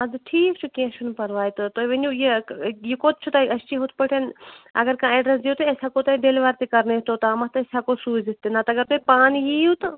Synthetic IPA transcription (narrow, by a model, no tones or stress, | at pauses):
ɐd̪ɨʈʰiːkt͡ʃʰukẽʃʰunpɐɾʋaːjt̪ɨt̪oʋenujejikoːt̪̚t͡ʃʰut̪aɐst͡ʃiɦot̪̚ʰpəʈʰenɐ̰ɡɐɾkãːeːɖɾɐsd̪iot̪esʲaːkot̪ɐiɖeːlʋaːɾt̪ikɐɾnet̪ot̪aːmɐst̪esʲakosuːzit̪enat̪ɐɡɐɾt̪oːipaːnijijut̪ɨ